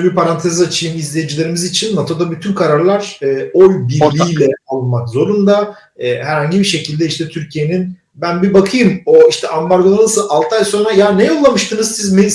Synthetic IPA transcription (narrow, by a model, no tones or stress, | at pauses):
biɾpaɾant̪ʰezat͡ʃʰɯjɯmizlʲejed͡ʒilʲe̞ɾimizit͡ʃʰinːat̪ʰo̞d̪abyt̪ʰynkʰaɾaɾlˠaɾ̥ɛːo̞lʲbilʲiːlʲɛalˠmakzo̞ɾund̪a | ɛːɦæɾhaɲɟibiʃe̞cʰilʲd̪ɛiʃt̪ʰɛt̪ʰyɾcʰije̞nin | bænbibakʰɯjɯmoiʃt̪ʰɛʔambaɾɡonaɾnˠasɯalˠt̪ʰajso̞ːnɾajaːnɛjolˠːamɯʃt̪ʰɯnɯzsizme